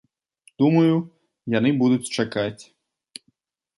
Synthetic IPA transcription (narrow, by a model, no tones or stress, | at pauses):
d̪̥umɐju | jan̪ɨbud̪ut͡sʲt͡ʂakat͡sʲ